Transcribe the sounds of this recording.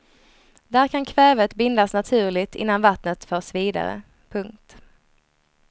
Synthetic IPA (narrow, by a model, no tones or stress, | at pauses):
d̪æɾkʰankʰvɛːvət̪bɪnd̪asnat̪ʰʉ̟ːɭɪt̪ɪ̰nːanvat̪nət̪fœːʂviːd̪a̰ɾə̰ | pʰɵŋk̚t̪